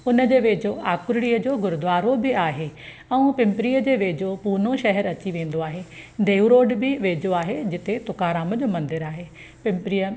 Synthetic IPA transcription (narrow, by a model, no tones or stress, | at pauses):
ʊnəd͡ʑeːʋeːd͡ʑoʔaːkʊɾɽiːəd͡ʑoːɡʊɾʊd̪ʋaːɾobɪaːɦeː | ɛ̃ũpɪ̃mpɾiːjəd͡ʑeːʋeːd͡ʑopuːnoʃɐɦɛɾɐt͡ɕiʋẽːn̆d̪oaːɦeːd̪eːuɾoːɖbɪʋeːd͡ʑoaːɦed͡ʑɪt̪et̪ʊkaːɾaːməd͡ʑoːmɐ̃nd̪ɪɾaːɦeː | pɪ̃mpɪɾijə